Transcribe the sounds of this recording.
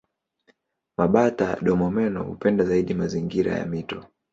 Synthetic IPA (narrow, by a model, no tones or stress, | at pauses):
maɓataɗɔmɔmɛnɔ̰hṵpɛndazaiɗimaziŋɡiɾa̰ja̰mitɔ